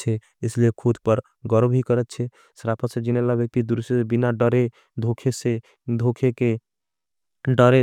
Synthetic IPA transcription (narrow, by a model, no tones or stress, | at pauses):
t͡ʃʰɛ | esliekʰud̪ʱpəɾ | ɡɔɾbɦikəɾɛt̪̚t͡ʃʰɛ | sɾapʰət̪sẽd͡ʒinelabjək̚t̪id̪uɾseebinaɖəɾe | d̪ʱokʰese | d̪ʱokʰeke | ɖəɾe